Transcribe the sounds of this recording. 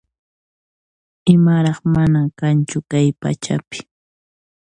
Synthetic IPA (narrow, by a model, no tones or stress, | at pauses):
ɪmaɾɑχmanakant͡ʃʊkajpa̰t͡ʃa̰pɪ̥